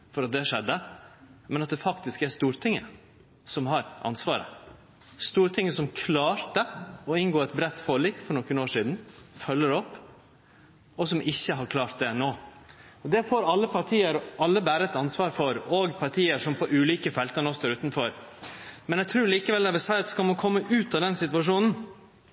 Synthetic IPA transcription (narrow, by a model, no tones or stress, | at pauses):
fɔɾɑt̪̚d̪ɛʂɛd̪ːəmɛnɑt̪̚d̪ɛfɑkt̪ɪskæɾst̪uːɾt̪ʰɪŋːə̰ | sɔmɦɑɾʔɑ̰nsʋɑːɾə̰ | st̪uːɾt̪ʰɪŋːəsɔmkʰlɑːɾt̪əɔɪnɡoːɛt̪bɾɛt̪ːfoːɭiːkfɔɾɳɔkːənoːʂiːd̪n̩fœlːəɾɔpː | ɔsɔmʔɪçːəɦɑɾkʰlɑːɾt̪̚d̪ɛnoː | ɔd̪ɛfoːɾɑlːəpʰɑɾʈʰiːəɾɑlːəbæːɾəɛt̪ɑnsʋɑːɾfɔɾɔɡpʰɑɾʈʰiːəɾʂɔmpʰɔʔʉːliːkəfɛlt̪əɾnɔst̪oːɾʉːt̪nfɔɾ | mɛnɛɡ̚t̪ʰɾuːɾliːkəʋɛld̪ɛæbɛsæɪɑt̪skɑlmɑnkʰɔmːəʔʉːt̪ɑd̪ɛnsɪt̪ʋɑʂuːnn̩